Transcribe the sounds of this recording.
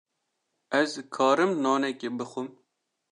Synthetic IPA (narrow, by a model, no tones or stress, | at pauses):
ɛzkʰɑːɾɨmnɑːnɛkebɨxʷɨm